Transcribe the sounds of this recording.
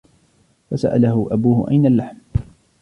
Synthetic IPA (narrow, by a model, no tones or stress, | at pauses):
fasa̰ʔalaɦʊʔabuːhʊ̰ʔa̰jnalːaħm